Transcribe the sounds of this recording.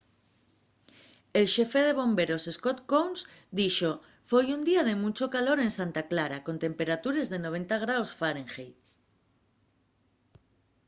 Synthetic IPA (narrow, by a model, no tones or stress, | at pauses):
elʃe̞feðeβ̞õ̞mbe̞ɾose̞skot̪kownsd̪iʃo | fojund̪iað̞e̞mũt͡ʃokalo̞ɾẽ̞nsant̪aklaɾako̞nt̪ẽ̞mpeɾat̪uɾe̞zðe̞noβ̞e̞nt̪aɣ̞ɾawsfaɾẽŋxej